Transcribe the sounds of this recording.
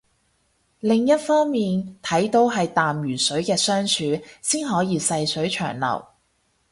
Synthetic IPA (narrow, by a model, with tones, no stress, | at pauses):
lɪ˨ŋjɐ˥t̚fɔː˥ŋmiː˨nt̪ʰɐ˨˥jt̪o˨˥wɦɐ˨jt̪aː˨mjyː˨˩sɵ˨˥ɥkɛː˧sœː˥ŋt͡ʃʰyː˨˧siː˥nɦɔː˨˥jiː˨˧sɐ˧jsɵ˨˥ɥt͡ʃʰœ̰ː˨˩ŋlɐ̰˨˩w